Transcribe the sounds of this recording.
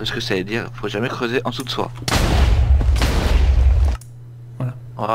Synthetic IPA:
ɛskəsaed̪iʁfoʒamɛkχøzeʔɑ̃t̪ut̪swa̰ | a

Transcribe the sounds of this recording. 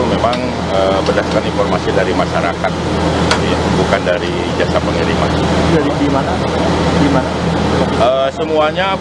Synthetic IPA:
memaŋ | əbədaskaninfɔrmasidaɾimaʃaɾa̰kat̪̚ | at̪əbukandaɾi | d͡ʒasapəŋiɾima̰nd͡ʒadidimana | dimana | əsəmuaɲa

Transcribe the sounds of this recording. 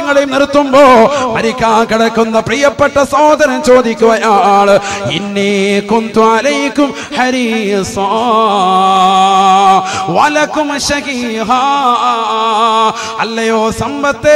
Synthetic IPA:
ŋːɐɭejumnirt̪ːumboːmɐɾikʲːaːkiɽɐkːunːɐprijɐpːeʈːɐsoːd̪ɐnɐmt͡ɕo̞ːd̪ikʲːuʋɐjaːɭḭnːikunt̪uɐlɐjkum | ħɐɾisa | ʋɐlɐkːumɕɐɣiɦa | ɐlːɐjoːsɐmbɐt̪ːe

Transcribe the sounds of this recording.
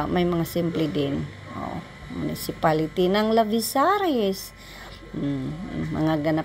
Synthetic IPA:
mɐjmɐŋasɪmplɪd̪ɪn | ʔo̰ | mʊ̰nɪsɪpalɪt̪inɐŋlɐvisaɾɛɛs̩ | mɐ̰ŋaɡɐna

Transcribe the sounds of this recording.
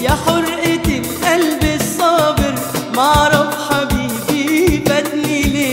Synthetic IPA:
jaħʊɾˤʔɪt̪ɪlʔalbɪsˤːɑːbɪɾ | maɾˤɑfħabi | bibat̪nile

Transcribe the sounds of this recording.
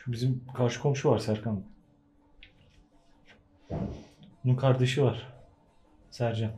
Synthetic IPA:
bizimkʰaɾʃɯ̥kʰo̞mʃuvaɾsæɾkan | ununkʰaɾd̪aʃɯvaɾ̥ | sæɾd͡ʒæn

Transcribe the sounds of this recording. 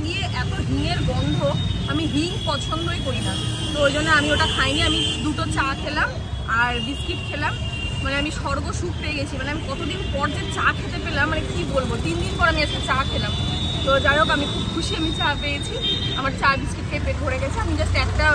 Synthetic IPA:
ɡieʔɛt̪oɦiŋeɾbɔnd̪ʱoamiɦiŋpɔt͡ɕʰond̪ojkoɾit̪ʰam | t̪oejd͡ʑonːeamioʈakʰaenieamid̪uʈot͡ɕakʰelam | aɾɖiskiʈkʰelamː | aneamiʃɔɾɡoʃup̚peeɡet͡ɕʰimaneamikɔt̪od̪inpɔɾd͡ʑet͡ɕakʰet̪efelamːanekibolbot̪ind̪inpɔɾamiɛsket͡ɕakʰelam | t̪od͡ʑaɾokamikʰubkʰuʃiamit͡ɕapeet͡ɕʰiamaɾt͡ɕaɾbiskiʈkʰeped̪ʱoɾeɡɛt͡ɕʰeamid͡ʑasʈɛkʈa

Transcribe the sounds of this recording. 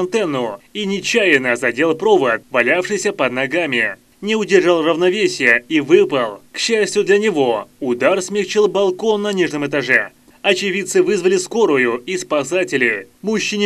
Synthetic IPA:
nt̪ɛnːʊinʲɪt͡ɕːajɪnəzɐdʲe̞lˠpɾo̞vət̪vɐlʲafʂɨjsʲəpəd̪nɐɡamʲɪ | nʲɪʊdʲɪrʐalˠrəvnɐvʲesʲɪjəivɨpəlˠkɕːæsʲtʲjʊd̪lʲɐnʲɪvo̞ʊd̪arsmʲɪxt͡ɕilˠbɐlˠko̞nːɐnʲiʐnɨmɨt̪ɐʐɛ | ɐt͡ɕɪvʲit̪sɨvɨzvəlʲɪsko̞ɾʊjʊispɐsatʲɪlʲɪmuɕːɪnʲɪ

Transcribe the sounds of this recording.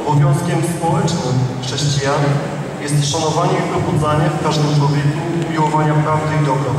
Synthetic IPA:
ɔbɔvʲjɔ̃w̃skʲɛmspɔwɛt͡ʂnɘmxʂɛɕt͡ɕijan | jɛst̪ʂanɔvaɲɛipɔxɔd̪zaɲɛfkaʐd̪ɛmt͡ʂwɔvʲjɛkuːmʲiwɔvaɲapɾavd̪ɨid̪ɔbɾa

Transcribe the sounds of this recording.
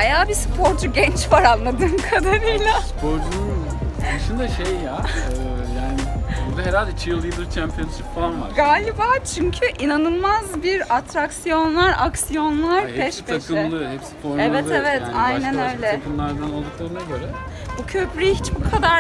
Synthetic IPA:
hajaːbispʰo̞ɾd͡ʒuɟɛnt͡ʃvaɾanlˠad̪ɯːnkʰad̪aɾɯjlʲˠaspʰo̞ɾd͡ʒunund̪ɯʃɯnd̪aʃejjaː | jaːnɪbuɾd̪aɦeɾalʲd̪ɛt͡ʃʰɯjɯlˠːɯjɯd̪ɯɾt͡ʃʰæmpʰijonʃipfalˠanvaɾɡaːlʲibaːt͡ʃʰyɲcʰyʔinanɯlˠmazbiɾat̪ʰɾaksijo̞nlˠaɾaksijo̞nlˠaɾkʰɛʃb̪ʰaskʰɯɪlˠɯhɛpsi̥pʰoɾɛvɛt̪ɛvɛt̪ajnænø̞jlʲɛkɯnlˠaɾd̪ano̞lˠd̪uklˠaɾɯnazaɾɛ | bucʰø̞pɾyjiɦit͡ʃbukʰad̪aɾ

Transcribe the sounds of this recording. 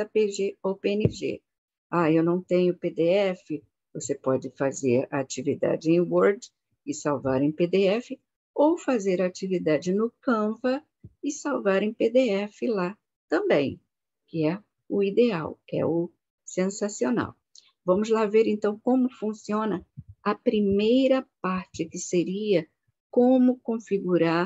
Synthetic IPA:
ɐpeʒeowpeenɪʒḛ | aewnɐ̃w̃t̪ẽɲʊped̪eɛfɪ | vosepɔd͡ʒɪfazeɾɐat͡ʃivid̪a̰d͡ʒɪẽj̃woɾd͡ʒ | ɪsawvaɾẽj̃ped̪eɛfɪ | owfazeɾat͡ʃivid̪ad͡ʒɪnʊkɐ̃vɐ | ɪsawvaɾẽj̃ped̪eɛfɪla | t̪ɐ̃mbḛ̃j̃ | kɪɛ | ʊid̪ea̰wkɛ̰ʊ | sẽsasiona̰w | vɐ̃mʊzlaveɾẽnt̪ɐ̃w̃kõmʊfũsiõnɐɐpɾimejɾɐpaɾt͡ʃɪkɪseɾiɐ | kõmʊkõfiɡuɾaɾ

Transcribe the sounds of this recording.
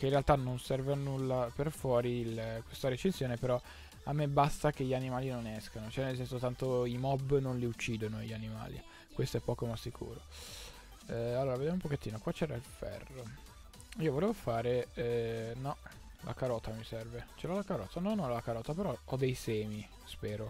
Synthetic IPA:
keinrealt̪anonsɛrvanulːaperfwɔːɾilkwest̪aɾet͡ʃensjoːnepeɾɔ | amːebast̪ak̟eʎːanimaːlinonɛskanot͡ʃwɛnelsɛnsot̪ant̪oimɔbːnonliut͡ʃːiːd̪onoʎːanima̰ːlḭ | kwest̪oɛpːɔːkomasːikʰṵːɾo | alːoːɾaved̪jamumpoket̪ːiːnokwat͡ʃːɛɾailfɛ̰rːo | iːovoleːvofaːɾe | nɔ | lʔa̰kaɾɔt̪amisɛrvet͡ʃelalakaɾɔːt̪ʰanɔnːɔlalakaɾɔːt̪apeɾɔɔd̪ejsɛːmi | spɛːɾo

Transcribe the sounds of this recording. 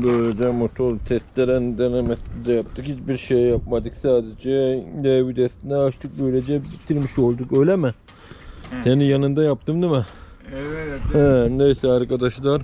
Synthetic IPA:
bøjlɛd͡ʒɛmot̪ʰolt̪ʰɛst̪lʲeɾɛnd̪ɛnɛmɛt̪lid̪ɛjap̚t̪ʰɯkhit͡ʃbiɾʃejːapmad̪ɯksaːd̪ed͡ʒɛnɛbyd̪ɛst̪inɛaʃt̪ʰɯk̚bøjlʲed͡ʒɛbit̪ʰiɾmiʃo̞lˠd̪ukø̞jlʲɛmɪ | senijanɯnd̪ajap̚t̪ɯmd̪imɛ | ɛnejsɛaɾkad̪aʃlˠaɾ

